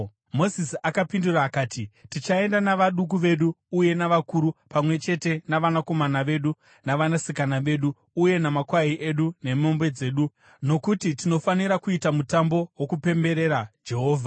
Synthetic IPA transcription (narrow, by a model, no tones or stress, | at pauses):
mo̞sisakapinduraːkaːtitit͡ʃae̞ndanaʋaɗuk̬uʋe̞ɗuːje̞naʋakuɾupamwe̞t͡ʃe̞te̞naʋanako̞manaʋe̞ɗu | naʋanasikanaʋe̞ːɗuː | je̞namakwaiʔeɗune̞mombwe̞d͡ze̞ːɗu | no̞kutitino̞faniɾakuitamutambo̞wo̞kupe̞mbe̞ɾe̞ɾad͡ʒe̞ɦoːvʱa